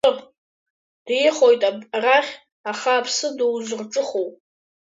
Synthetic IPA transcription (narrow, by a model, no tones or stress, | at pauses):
ɨpʼ | d̥jɪχo̞jtʼabraχʲ | aχaːpʰsɨdowzʷɨrʈ͡ʂʼɨχowpʼ